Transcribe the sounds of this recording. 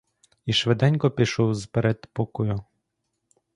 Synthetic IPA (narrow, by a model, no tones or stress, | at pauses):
iʃʋed̪ɛnʲkɔpʲiʃɔwzpeɾɛd̪pɔkɔjʊ